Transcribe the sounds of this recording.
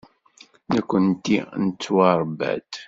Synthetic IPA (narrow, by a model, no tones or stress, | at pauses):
nækʷːənt̪ːinət͡sːwɑɾˤbæ̰d̪